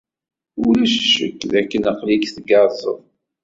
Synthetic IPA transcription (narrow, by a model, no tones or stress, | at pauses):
ʊɾləʃʃə̰kːðækːənaqlikθɡɑɾˤzˤə̰ðˤ